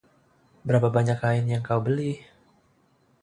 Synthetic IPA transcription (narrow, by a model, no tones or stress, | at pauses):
bəɾapabaɲakainjaŋkawbəlih